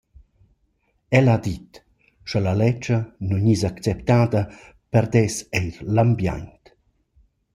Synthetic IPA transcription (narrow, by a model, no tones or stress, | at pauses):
ɛlad̪it̪ | ʃɔlalɛt͡ʃənuɲizakt͡sɛpt̪aːd̪ə | pɛɾd̪ɛsɛjɾlambja̰ɲnt̪